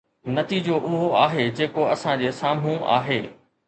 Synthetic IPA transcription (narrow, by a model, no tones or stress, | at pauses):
nɐt̪iːd͡ʑoʔʊɦoaːɦed͡ʑeːkoɐsãd͡ʑeːsaːm̤ũa̰ːɦeː